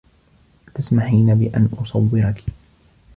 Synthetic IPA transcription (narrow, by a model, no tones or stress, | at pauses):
t̪asmaħiːnabɪʔa̰nʔʊsˤɑwːɪɾɑk